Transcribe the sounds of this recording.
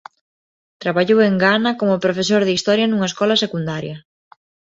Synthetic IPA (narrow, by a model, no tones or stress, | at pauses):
t̪ɾaβaʎoweŋɡanɐkomʊpɾofesoɾðist̪ɔɾjɐnuŋaeskɔlɐsekund̪aɾjɐ